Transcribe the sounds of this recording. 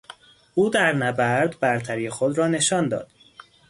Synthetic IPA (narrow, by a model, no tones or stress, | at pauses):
ʔuːd̪æɾnæbæɾd̪bæɾt̪ʰæɾijexod̪ɾɒːne̞ʃɒːnd̪ɒ̰ːd̪̥